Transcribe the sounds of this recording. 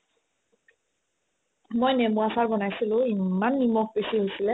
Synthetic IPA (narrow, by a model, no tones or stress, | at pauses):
mojnemuasaɹbɔnajsilʊ̃imanːimɔk̚besiɦojsilɛ